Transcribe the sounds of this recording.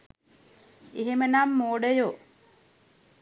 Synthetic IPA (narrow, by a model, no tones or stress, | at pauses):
eɦemənamːoːɖəjo